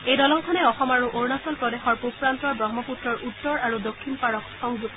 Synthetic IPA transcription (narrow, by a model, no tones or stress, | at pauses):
ejdɔlɔŋkʰɔnɛɔxɔmaɹuʔoɹnasɔlpɹɔdexɔɹpupɹant̪ɔɹbɹɔmɔputɹɔɹʔut̪ːɔɹaɹudokʰːinpaɹɔksɔŋzuk